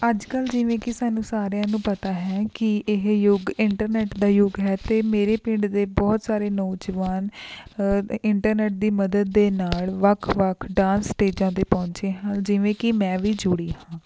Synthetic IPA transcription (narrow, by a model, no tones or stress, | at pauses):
əd͡ʒkəld͡ʒɪʋẽːkɪsaːnũːsaːɾjãːnũːpət̪aːɦɛːkɪʔɪɦjʊɡɪɳʈəɾnɛːʈd̪aːjʊɡɦɛːt̪eːmeːɾeːpɪ̃ɳɖd̪eːbɔːt̪saːɾeːnɔːd͡ʒʋaːn | ɪɳʈəɾnɛːʈ̚d̪iːməd̪əd̪ːeːnaːlʋəkʰʋəkʰɖãːnsʈeːd͡ʒãːd̪eːpɔ̃ːɲt͡ʃeːɦãːld͡ʒɪʋẽːkɪmɛ̃ːʋiːd͡ʒʊɽiːɦãː